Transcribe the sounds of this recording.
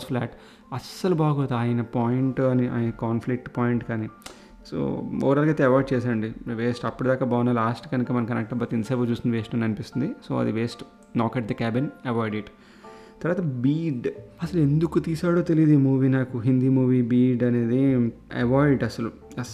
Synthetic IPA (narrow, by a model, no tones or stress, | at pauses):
pʰla̰ːʈ | ɐsɐlubaːɡoːt̪aːjɐnɐpaːjiɳʈɡaːniʔa̰ːjɐnɐkaːnflik̚ʈpaːjiɳʈkaːni | so̰ːo̰ːɾaːlkɐjt̪eɐʋaːjɖ̚t͡ʃɛːs̬aːɾɐɳɖiʋeːsʈɐpːuɽud̪aːkaːbaːnɐlaːsʈkɐnikɐmɐnɐmkːɐnɐk̚ʈɐbɐt̪inɐsɐːbɐt͡ʃuːst̪ind̪ʋeːsʈɐnɐnipist̪und̪iso̞̰ːɐ̰d̪iʋeːsʈ | nɔːkɛːʈ̚d̪ɐkaːbinɐʋaːjɖeʈ | t̪ɐɾʋaːt̪ɐbiːɖɐsɐlue̞nd̪ukut̪iːsaːɽoːt̪elijd̪imuːʋiːnaːkuɦind̪iːmuːʋiːbiːɖɐne̞ːd̪iɐ̰ʋaːjɖɐsɐlu | ɐ